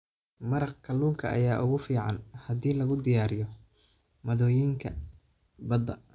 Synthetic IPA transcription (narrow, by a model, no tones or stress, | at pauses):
mɐɾɑqkʰɐluːŋkʰɐʔɐ̰jaːʔʊɣʊfiːʕɑnhɐðiːlɐɣʊd̪ɪjaːɾɪjɔ | mɐðɔːjiːŋkʰɐ | bɐd̪ɐ